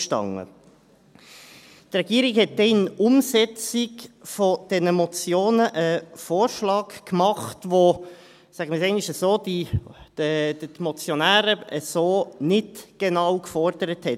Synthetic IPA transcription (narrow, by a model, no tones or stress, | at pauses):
ʃtɑ̰ŋːə̰ | t̪rɛɡiːəɾɪkhɛt̚d̥ɛɪnʊmsɛt͡sikfod̥ɛnəmɔt͡sjoːnəʔəfoːɾʃlɑːkkmɑχtʋo | sæɡ̥əməsɛɪnɪʃəsoːd̥id̥ədəmɔt͡sjɔnæːɾəəsoːnɪtɡ̥enɑwkfɔɾd̥əɾəthɛt